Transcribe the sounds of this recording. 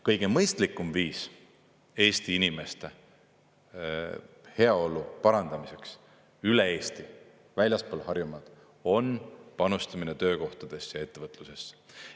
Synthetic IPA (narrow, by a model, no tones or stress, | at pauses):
kɤjɡ̥e̞mɤjst̪likːˑumviːs | e̞ːst̪iinime̞st̪e̞ | he̞ɑo̞lupɑɾɑnd̪̥ɑmise̞ks | yle̞e̞ːst̪i | vælʲjɑspoːlhɑrjumɑd̪̥ | o̞npɑnust̪ɑminet̪ø̞ːko̞ht̪ɑd̪̥e̞sjɑe̞t̪ːe̞vɤt̪ːˑluse̞s